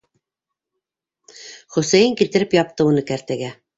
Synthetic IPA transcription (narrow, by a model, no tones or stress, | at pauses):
χɵ̆sæjɘŋkilt̪ɘ̆ɾɘpjɑp̚t̪ɤunɤkæɾt̪æɡæ